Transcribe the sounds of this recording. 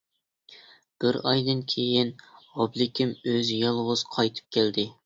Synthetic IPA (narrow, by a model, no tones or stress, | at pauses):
b̥ɪɾɑjd̪ɨnkʲʰejinɑblɪkʲʰimøzjɑlˠʁʊzqʰɑjt̪ʰɨ̥p̚kʲʰæld̪ɪ